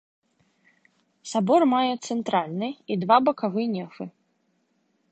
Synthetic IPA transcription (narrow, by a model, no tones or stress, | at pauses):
sabɔrmajɛt̪sɛnt̪ɾalʲnɨid̪vabɐkavɨnʲɛfɨ